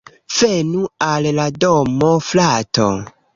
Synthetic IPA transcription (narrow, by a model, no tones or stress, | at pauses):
v̥enualladomoflato̰